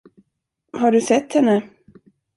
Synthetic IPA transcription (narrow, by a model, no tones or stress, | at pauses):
haɖɵsɛt̪ːhɛnːə